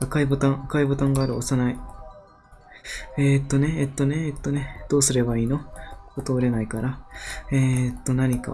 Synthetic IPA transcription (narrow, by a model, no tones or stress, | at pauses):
akaibo̞t̪ãɰ̃akaibo̞t̪ãŋɡaːɾɯ̟osanai | et̪ːo̞ne̞ːt̪ːo̞ne̞et̪ːo̞ne̞d̪̥o̞ːsɨɾe̞baiːno̞ot̪o̞ːɾe̞naikaɾaet̪ːo̞naɲ̟ika̰